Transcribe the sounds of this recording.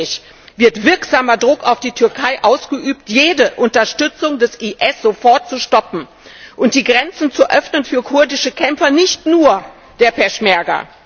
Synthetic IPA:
ɪç | v̥ɪɐtv̥ɪɐkz̥aːmɐdʁʊkaʊfd̥iːtʰʏɐkʰaɪʔaʊsɡ̥əʔyːptjeːdəʔʊntɐʃtʏt͡sʊŋdɛsʔiʔɛsz̥ofɔɐtt͡suʃtɔpm̩ | ʔʊnt̚d̥iːɡʁɛnt͡sn̩t͡suʔœfnənfyːɐkʰʊɐdɪʃəkʰɛmfɐnɪçtnuːɐ | d̥eːɐpʰɛʃmɛɐɡɐ̰

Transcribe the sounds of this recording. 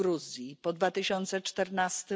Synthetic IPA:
ɾuzjipɔd̪vat̪ɘɕɔnt̪sɛt͡ʂt̪ɛɾnast̪ɘ

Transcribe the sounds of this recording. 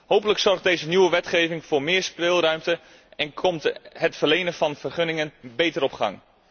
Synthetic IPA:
howpələksɔrχdejzənywəʋɛtχejvɪŋvʊːɹmɪːɹspɪlˠrœɥmtə | ɛnkʰɔmtɦətfərlejnənvɑnv̥ərχɵnɪŋənbejtəɾɔpχɑ̰ŋ

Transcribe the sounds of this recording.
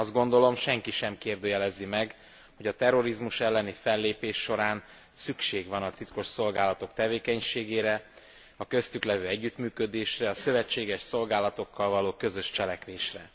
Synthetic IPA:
ɒzd̪ɡo̞nd̪o̞lo̞mʃɛŋkiʃɛmkeːrd̪øːjɛlɛzimɛɡ | ho̞ɟɒt̪ɛro̞ɾizmuʃɛlːɛnifɛlːeːpeːʃːo̞ɾaːn | sykʃeːɡvɒnɒt̪it̪ko̞ʃso̞lɡaːlɒt̪o̞kt̪ɛveːkɛɲʃeːɡeːɾɛ | ɒkø̞st̪yklɛvøːɛɟːyt̪myːkø̞d̪eːʃrɛɒsø̞vɛt͡ʃːeːɡɛʃso̞lɡaːlɒt̪o̞kːɒlvɒloːkøzø̞ʃt͡ʃɛlɛkʋeːʃrɛ̰

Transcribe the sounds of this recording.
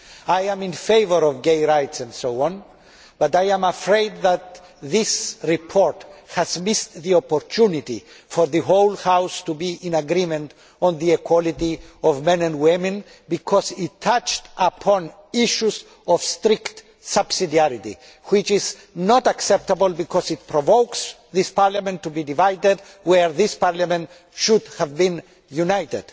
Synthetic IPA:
ajæ̃mĩnfejvəɾɔvɡejɹajtsɛ̃ndsoɔ̃n | b̥atajãmafɹeɪd̪̚ðæt̪̚ | ðisɹipʰɔɹt̪hæzmist̪ðiɔpɔɹtʰunit̪ḭ | fɔɾðɨɦoʊlhawst̪ubiʔĩnaɡɾimɛ̃nt | ɔ̃nðiɛkwɔlit̪iɔvmɛ̃nɛ̃ndwɪmɨ̃n | bikʰɔzitʰːat͡ʃtʔapʰɔ̃n | iʃuz | ɔv̥st̪ɾikt̪ | sab̥sidiaɾit̪ḭ | wit͡ʃiz | nɔtaksɛp̚t̪abəlˠbikʰɔzit̪̚pʰɾɔvoʊks | ðispaɹlamɛ̃ntːubidivajded | wɛɹðispaɹlamɛ̃nt | ʃud̪hævbĩn | junajtḛd̪̥

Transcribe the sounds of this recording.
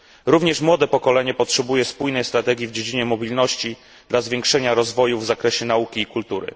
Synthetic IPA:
ɾuvɲɛʂmwɔd̪ɛpɔkɔlɛɲɛpɔtʂɛbujɛspujnɛjst̪ɾat̪ɛɡʲjivd͡ʑed͡ʑiɲɛmɔbʲilnɔɕt͡ɕi | d̪̥lazvʲjeŋkʂɛɲaɾɔzvɔjuvzakɾɛɕɛnaukʲiːkult̪uɾɘ̰

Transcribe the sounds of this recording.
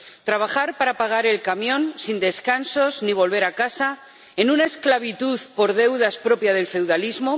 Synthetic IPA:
t̪ɾaβ̞axaɾpaɾapaɣ̞aɾe̞lkamjõ̞nsind̪e̞skanso̞zniβ̞o̞lβ̞e̞ɾakasa | enũnaesklaβ̞it̪uðpo̞ɾð̞e̞wðaspɾo̞pjaðe̞lfe̞wðalizmo

